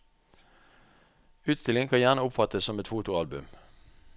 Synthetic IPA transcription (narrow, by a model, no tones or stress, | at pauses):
ʉːt̪st̪ɪlɪŋkʰɑnjæʁnəʊpfɑt̪əssɔmɛt̪fuːt̪ʊɑlbʉ̰m